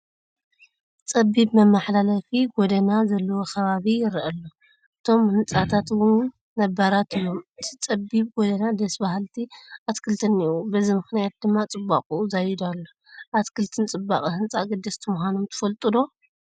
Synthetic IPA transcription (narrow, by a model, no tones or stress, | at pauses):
t͡sʼɐbːiβmɐmaħlalɐfiɡɔd̪ɐnazɐlːɐwo̞kʰɐβaβijɪɾʔɐlːo | ʔɨt̪ʰo̞mhɨnt͡sʼat̪ʰat̪wɨn | nɐbaɾat̪ʰɨjːo̞mɨt̪ʰit͡sʼɐbːiβɡɔd̪ɐnad̪ɐsbaɦlt̪ʰiʔat̪kʰɨlt̪ʰɨniubɐzimɨxnijat̪̚d̪ɨmːat͡sʼɨbːa̰qʼuuzajɪd̪alːo | ʔat̪kʰɨlt̪ʰɨnt͡sʼɨbːa̰χʼihɨnt͡sʼaɡɨd̪ːɐst̪ʰɨmxanomt̪ʰɨ̥fɐlt̪ʼɨd̪o̞